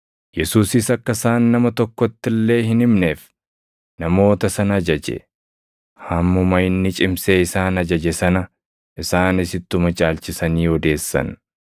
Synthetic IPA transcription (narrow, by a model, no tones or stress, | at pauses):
jɛsuːsɪsɐkːɐsaːnːɐmɐt̪ɔkːɔt̪ːɪlːe̞ːhɪnɪmneːf | nɐmo̞ːt̪ɐsɐnɐɐd͡ʒɐd͡ʒɛ̰ | hɐmːʊmɐjɪnːɪt͡ʃʼɪmseːɪsaːnɐd͡ʒɐd͡ʒɛsɐnɐ | ʔɪsaːnɪsɪt̪ːʊmɐt͡ʃʼaːlt͡ʃɪsɐniːɔd̪e̞ːsːɐ̰n